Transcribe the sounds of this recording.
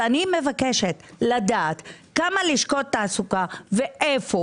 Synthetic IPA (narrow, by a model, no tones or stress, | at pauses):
anime̞vakeʃet̪ | lad̪aːt̪ | kamaliʃkot̪ːaːsukaveʔefo